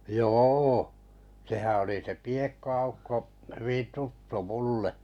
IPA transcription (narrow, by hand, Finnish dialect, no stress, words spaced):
joː sehæ oli se piekːoɑ̥ukːo hyʋin̞ tutːu mulːe